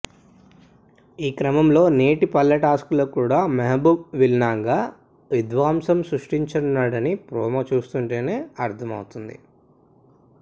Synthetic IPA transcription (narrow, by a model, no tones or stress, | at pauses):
iːkɾɐmɐmlo̞ːneːʈipɐlːɐʈaːskuloːkuːɽaːmɐɦɐbubʋilnaːŋɡaː | ʋid̪ʋaːmsɐmsɾuʂʈiɲt͡ʃɐnːaːɽɐnipɾɔːmɐt͡ʃuːst̪uɳʈe̞ːne̞ːɐɾt̪ʰɐmɐ̰wut̪und̪ḭ